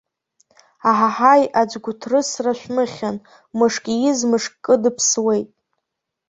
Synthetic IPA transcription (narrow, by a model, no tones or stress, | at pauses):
aħaħajʔad͡ʒɡʷʊtʰrɨsraʃʷᶣmɨχʲan | mɨʂkʲʼijɪzmɨʂkkʼːɨdɨpʰswejtʼ